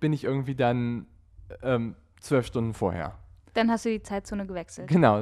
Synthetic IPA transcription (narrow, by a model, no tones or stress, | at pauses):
b̥ɪnɪçʔɪɐɡŋ̩tv̥iːdan | ʔɛːm | t͡sv̥œlfʃtʊndn̩foːɐḛːɐd̥anhastd̥uːdiːt͡saɪt̚t͡soːnəɡəvɛksl̩tɡ̥ənaʊ